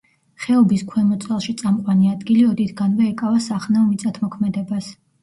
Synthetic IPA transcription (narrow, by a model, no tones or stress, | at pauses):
χɛɔbiskʰwɛmɔt̪sʼɛlˠʃit̪sʼamqʼwaniad̪ɡiliɔd̪it̪ʰɡanvaɛkʼavasaχnaɔmit̪sʼat̪ʰmɔkʰmɛd̪ɛbas